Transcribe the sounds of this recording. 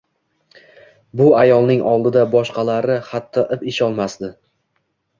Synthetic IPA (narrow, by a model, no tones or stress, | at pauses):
bʊajɒlˠnɪŋɒlˠd̪ɪd̪abɒʃqɑlaɾɪχat̪ʰːɒʔɪpɪʃɒlˠmasd̪ɪ